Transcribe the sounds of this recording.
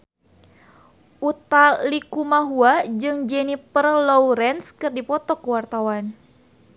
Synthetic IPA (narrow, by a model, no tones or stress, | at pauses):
ʔut̪allikumaɦuad͡ʒɨŋd͡ʒɛnipərlɔwɾɛnskɨrdipɔt̪ɔkəwart̪awan